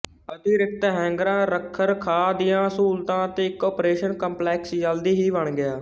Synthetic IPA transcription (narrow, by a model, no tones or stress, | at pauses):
əd̪iːɾɪk̚t̪eɦɛ̃ːŋɡɾãːɾəkʰːəɾkʰaːd̪ɪjãːsuːlt̪ãːət̪ẽːɪkːɔːpɾeːʃənkə̃mplɛːksd͡ʒəld̪iːɦiːbəɳɡɪaː